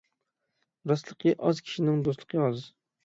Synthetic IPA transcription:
ɾɑslˠəqʰəʔɒzkʲʰi̥ʃɪnɪŋd̪oslˠəqʰəɑz

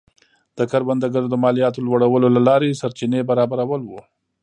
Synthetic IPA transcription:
d̪̥əkaɾband̪əɡəɾd̪əmɑlijɑt̪̬olwaɽawəlolalɑɾesaɾt͡ʃinebaɾɑbaɾawəlwu

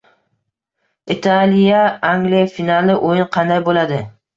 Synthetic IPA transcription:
it̪ʰalijaaŋɡlijafinalˠɪʔojɪnqʰɑnd̪ajbolad̪ɪ

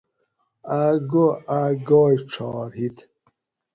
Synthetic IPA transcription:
aɡoaɡoːjʈ͡ʂʰɑːɾhit̪

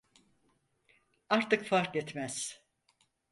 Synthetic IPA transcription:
aɾt̪ɯkfaɾkɛt̪mæz̥

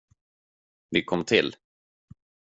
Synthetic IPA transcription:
vɪkʰɔmːt̪ʰɪl

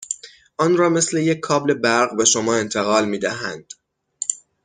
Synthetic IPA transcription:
ʔɒːnrɒːme̞sle̞jekʰːɒːble̞bæɾɢbe̞ʃomɒːe̞nt̪ʰe̞ɣɒːlmiːd̪æɦænd̪̥

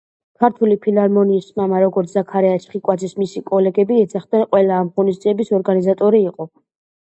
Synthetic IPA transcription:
kʰaɾt̪ʰulipʰilaɾmɔniːsmamaɾɔɡɔɾt̪ʰzakʰaɾɛat͡ʃʰχikʼwad̪zismisikʼɔlɛɡɛbiɛd̪zaχd̪nɛnqʼwɛlaːmʁɔnisd̪ziɛbisɔɾɡanizat̪ʼɔɾiːqʼɔ

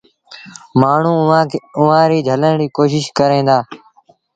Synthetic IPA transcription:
maːɳ̤ũːãːʊʋãːɾiːd͡ʒʱələnɾiːkoːʃ̬ɪʃkəɾẽːd̪aː

